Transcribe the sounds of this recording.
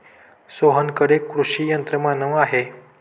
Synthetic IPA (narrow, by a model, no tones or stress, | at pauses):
soɦənkəɽekɾuʂijənt̪ɾəmanəʋaɦe